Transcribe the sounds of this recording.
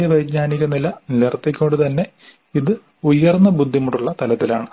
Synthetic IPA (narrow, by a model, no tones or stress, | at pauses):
ɐʋɐjɡɲaːniɣɐnilɐnilert̪ːikʲːo̞ːɳɖut̪ɐnːe̞ | iðɨ | ujɐrnːɐbud̪ʱːimuʈːuɭːɐt̪ɐlɐt̪ːilaːɳɨ